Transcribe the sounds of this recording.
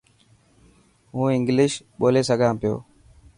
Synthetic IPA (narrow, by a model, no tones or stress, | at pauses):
ɦũːɪŋɡlɪʃ | ɓoːleːsəɡʱãːpɪjo̰ː